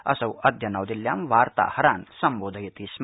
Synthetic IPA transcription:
ɐsɐwɐd̪ʱjɐnɐːwd̪iljaːmʋaːɾt̪a̰ːhɐɾaːnsɐmboːd̪ʱɐjɐt̪iːsm

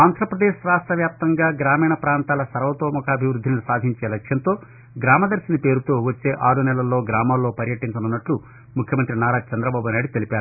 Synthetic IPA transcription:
aːnd̪ʱɾɐpɾɐd̪eːʃɾaːsʈɾɐʋjaːp̚t̪ɐŋɡaːɡɾaːmiːɳɐpɾaːnt̪aːlɐsɐɾʋɐt̪oːmɔkʰɐːbʱiʋɾud̪ʱːinisaːd̪ʱiɲt͡ʃe̞ːlɐkʂjɐnt̪o̞ː | ɡɾaːmɐd̪ɐɾʃinɐpe̞ːɾut̪o̞ːʋɐt͡ʃːe̞ːʔaːɾunɛlɐlːo̞ːɡɾaːmaːlːoːpɐɾjɐʈiɲt͡ʃɐnunːɐʈlu | mukʰjɐmɐnt̪ɾinaːɾaːt͡ʃɐnd̪ɾɐbaːbunaːjɖut̪e̞lipaːɾu

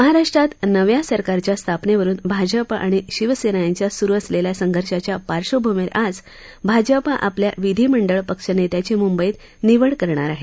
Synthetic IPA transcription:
məɦaɾaʂʈɾat̪nəʋjasəɾkaɾt͡ɕjast̪ʰapneʋəɾuːnbʱad͡ʑəpʔa̰ɽ̃iɕiʋəsenajaɲt͡ɕjasuɾuəsleljasəŋɡʱəɾʂat͡ɕjapaɾʂobʱomeɾad͡z | bʱad͡ʑəpaʔaplja̰ʋid̪ʱiːməɳɖəɭpəkʂənet̪jat͡ɕemumbəiːt̪ | niʋəɭkəɾɳ̃aɾaɦe

